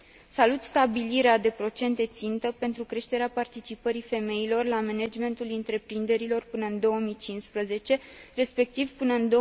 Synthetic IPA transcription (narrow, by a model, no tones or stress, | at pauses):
salut̪st̪abiliɾead̪e̞pɾo̞t͡ʃe̞nt̪e̞t̪sint̪əpe̞nt̪ɾukɾe̞ʃt̪e̞ɾeapart̪it͡ʃipəɾife̞me̞ilo̞rlame̞ned͡ʒme̞nt̪ulɨnt̪ɾe̞pɾind̪e̞ɾilo̞rpɨnəɨnd̪o̞wəmit͡ʃinspɾəze̞t͡ʃe̞re̞spe̞k̚t̪ivpɨnəɨnd̪o̞